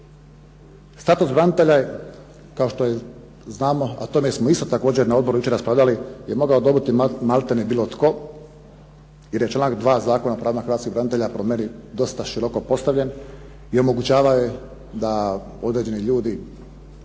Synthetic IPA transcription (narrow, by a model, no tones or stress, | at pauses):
st̪at̪usbɾanit̪e̞ʎaje | kaoʃt̪o̞je | znaːmo̞a̰t̪o̞mesmoist̪ot̪akoːd͡ʑeɾnao̞d̪bo̞ɾujut͡ʃe̞ɾaspɾaːʋʎʲalijemo̞ɡaod̪o̞bit̪imalt̪enibiːlˠo̞t̪ko̞ | je̞ɾje̞t͡ʃlanakd̪ʋaːzaːko̞napɾaːnaxɾʋat̪skibɾanit̪eʎapɾomenid̪o̞st̪aʃiɾo̞ko̞po̞st̪aʋʎʲe̞n | io̞mo̞ɡut͡ɕaːʋaoje | d̪a | o̞d̪ɾe̞ːd͡ʑe̞niʎuːd̪i